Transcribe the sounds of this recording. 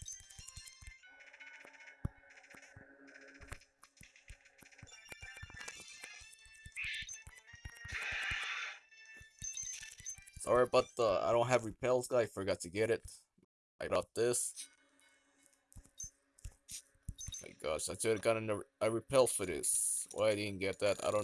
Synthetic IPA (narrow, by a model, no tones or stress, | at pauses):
tsɔ̰lɹaɪt̚b̥ʌt̚ʌa̰ɪɾõʊ̃ntɦɨvɹipʰɛlˠzɡaaɪfə˞ɡɑtʰɨɡɛɾɪt̚ | ʔaɪɾɑt̪̚ðɪs | ma̰ɪɡ̥ɑ̰ʃaɪtʰɨɾɨɡɑɾɨ̃nəaɪɹɨpʰɛl̥ˠfə˞ðɪ̰swʔa̰ɪaɪɾɪdⁿn̩ɡ̥ɛt̪̚ðætaɪɾõʊ̃